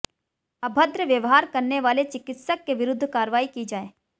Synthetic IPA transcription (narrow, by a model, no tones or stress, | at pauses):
ɐbʱəd̪ɾəʋjɐʋɦaːɾkɐɾneʋaːlet͡ʃɪkɪt̪səkːeʋɪɾʊd̪ʱːkaːɾʋaːikid͡ʒaːeː